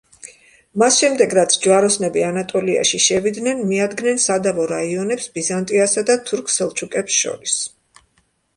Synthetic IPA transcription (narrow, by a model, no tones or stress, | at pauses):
masʃɛmd̪ɛɡɾat̪sʰd͡ʒwaɾɔsnɛbianat̪ʼɔlia̰ʃiʃɛvid̪nɛnmiad̪ɡnɛnsad̪avɔɾaiɔnɛpsbizant̪ʼiasad̪at̪ʰuɾkʰsɛlˠt͡ʃʰukʼɛpsʃɔ̰ɾis